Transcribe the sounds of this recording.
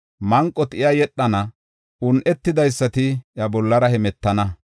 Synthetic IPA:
mɐŋkʼːɔt̪ɪjajɛɗːɐnɐ | ʊnʔɛt̪ːɪd̪ɐjsːɐt̪ɪjɐbɔlːɐɾɐhɛmɛt̪ːɐnɐ

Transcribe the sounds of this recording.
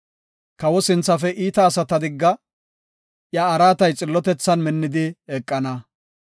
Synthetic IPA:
kɐwɔsɪnt͡sːɐfɛʔiːt̪ɐːsɐt̪ɐd̪ɪɡːɐ | ʔjɐːɾaːt̪ɐjt͡sʼɪlːɔt̪ɛt͡sːɐnmɪnːɪd̪ɪɛkʼːɐnɐ

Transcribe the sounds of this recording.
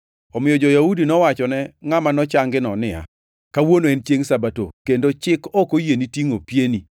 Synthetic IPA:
ɔmɪjɔd͡ʒɔjaudinɔwat͡ʃɔnɛŋamanɔt͡ʃaŋɡɪnɔnɪja̰ | kawonoɛnt͡ʃjeŋsabato̰kendot͡ʃɪkɔkojenitiŋopjeni

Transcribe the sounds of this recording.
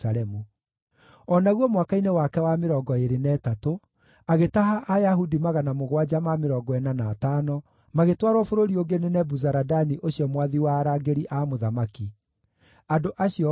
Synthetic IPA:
aɾɛmu | ɔnaɣwɔmwakainewakɛwameɾɔɡɔeɾenɛːtato | aɣetaɦaʔːjaɦudimaɣanamoɣwad͡ʒamameɾɔɡɔɛnanaːtanɔ | maɣetwaɾwɔfoɾoɾioɡenenɛbuzaɾadaniʔoɕjɔmwaðiwaːɾaɡeɾiʔamoðamaki | andoʔaɕiɔ

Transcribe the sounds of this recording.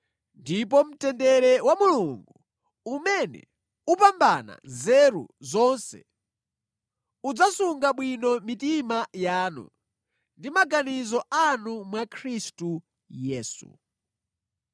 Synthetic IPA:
ndip̬ɔm̩tɛndɛɾɛwamuluŋɡu | umɛnɛ̰ | upambana̰zɛɾṵzɔnsɛ̰ | ud͡zasuŋɡaɓwinɔmitimajaːnṵ | ndimaɡanizɔʔanumwakʰɾistu | jɛːsṵ

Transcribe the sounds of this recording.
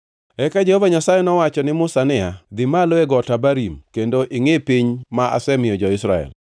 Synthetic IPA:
ɛkad͡ʒehovaɲasajɛnɔwat͡ʃɔnɪmʊsanɪad̪ɪmaloeɡɔtabaɾimkendoʔɪŋepiɲmaʔa̰sɛmɪjɔd͡ʒɔɪsɾaɛ̰l

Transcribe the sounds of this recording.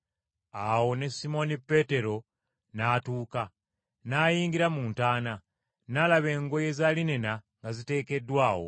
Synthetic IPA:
awo̞ne̞simo̞nipːe̞te̞ɾo̞ | naːtuːka | naːjiːŋɡiɾamuːntaːna | nalaβe̞ːŋɡo̞je̞zaːline̞naŋɡazite̞ːke̞dːwaːwo̞̰

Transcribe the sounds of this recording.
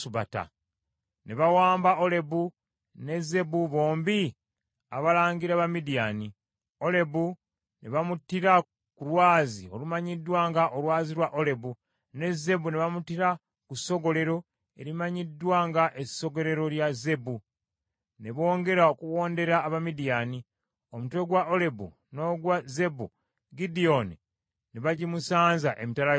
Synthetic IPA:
uβa̰ta̰ | ne̞βawaːmbaole̞bu | ne̞ze̞buβo̞ːmbi | a̰βalaːŋɡiɾeaβamidijani | o̞le̞bu | neβamutːiɾa | kulwaːzio̞̰lumaɲidːwaːŋɡaʔolwaːziɾwaʔole̞bu | ne̞ze̞buneβamutiɾa | kuso̞ɡo̞le̞ɾo̞ | e̞̰ɾimaɲidːwaːŋɡaʔe̞so̞ɡo̞ɾe̞ɾo̞ljaze̞bu | ne̞βo̞ːŋɡe̞ɾaokuwo̞ːnde̞ɾaːβamidijani | omutwe̞ɡwao̞le̞bṵ | no̞ɡwaze̞bu | ɡidio̞ni | neβaɟimusaːnzaʔe̞mitala

